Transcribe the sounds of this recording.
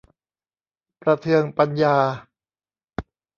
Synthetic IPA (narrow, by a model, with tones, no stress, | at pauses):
pɾa˧t̪ʰɯ˧əŋpa˧njaː˧